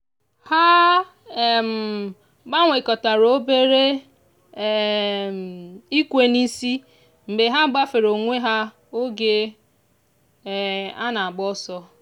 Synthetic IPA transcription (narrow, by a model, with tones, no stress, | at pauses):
ha˦˨ | m̩˨ | ɡ͡ba˦ŋʷe˨kɔ˨ta˨ɾo˦be˦ɾe˦˨ | i˦kʷe˦ni˦si˦ | m̩˨be˨ɦa˦ɡ͡ba˦fe˨ɾo˨ŋʷe˦ɦa˦ | o˦ɡe˦˨ | a̰˦na˨a˨ɡ͡bɔ˦sɔ˦